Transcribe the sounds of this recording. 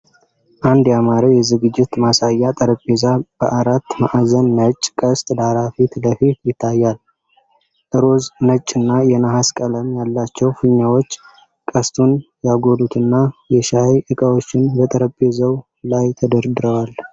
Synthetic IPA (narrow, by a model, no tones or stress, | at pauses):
ʔand̪jamaɾiwjɛzɨɡɨd͡ʒːɪt̪masajːat̪ʼəɾəpʼːezab̥əʔaɾat̪ːmaʔzənːət͡ʃʼːkʼəst̪ʼd̪aɾafit̪ləfit̪jɪt̪ʰːajːal | ʔɨɾo̞znət͡ʃʼɨnːajɛnaɦaskʼələmjalːat͡ʃːɛwfɨɲːawo̞t͡ʃː | kʼəst̪ʰʼunjaɡo̞lut̪ʰɨnːajɛʃaeʔɨkʼəwo̞t͡ʃːɪnbət̪ʼəɾəpʼːezəw | lajt̪ʰəd̪əɾd̪ɨɾəwal